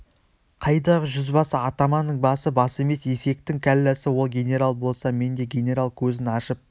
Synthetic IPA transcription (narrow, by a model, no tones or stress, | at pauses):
qʰɑjd̪ɑʁəʒʏzbɑsəɑt̪ɑmɑnəɴbɑsəbɑsəe̞me̞se̞se̞k̚t̪ɪŋkʲʰælːæsɪwo̞lˠɡʲe̞nʲe̞ɾalˠbo̞lˠsɑme̞nd̪e̞ɡʲe̞nʲe̞ɾalˠkʲʰɵzɪnɑʃəp̚